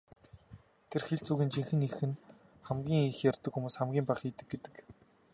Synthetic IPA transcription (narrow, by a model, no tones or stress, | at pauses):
t̪ʰerxeɬt͡suːɣʲiːnt͡ɕiŋxɘ̆nixɘ̆n | χæmɡʲiːŋixjarʲt̪ə̆kxumuːsχæmɡʲiːmpaχiːt̪ɘ̆ɡ̚ɡet̪ɘ̥̆k